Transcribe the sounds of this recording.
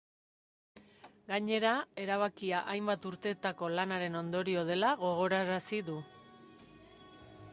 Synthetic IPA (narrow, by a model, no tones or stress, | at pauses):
ɡaɲe̞ɾae̞ɾaβ̞akiaʔajmbat̪uɾt̪e̞ːt̪ako̞lanaɾe̞no̞nd̪o̞ɾio̞ð̞e̞laɣo̞ɣ̞o̞ɾaɾasiðu